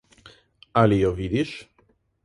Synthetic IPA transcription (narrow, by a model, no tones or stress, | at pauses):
alijovid̪iʃ